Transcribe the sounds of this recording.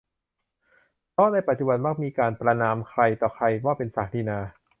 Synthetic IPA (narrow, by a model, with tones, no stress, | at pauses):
t̪ɔː˥˩na˧jpa˨˩t̪̚t͡ɕu˧ba˧nma˧˥˩k̚miː˧kaː˧npɾa˧naː˧mkʰɾa˧jt̪ɔː˨˩kʰɾa˧jwaː˥˩pe˧nsaː˨˩k̚t̪ʰiː˧naː˧